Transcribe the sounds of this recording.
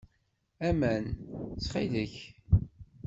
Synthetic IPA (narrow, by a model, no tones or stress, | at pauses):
æmænt͡sːχiðəç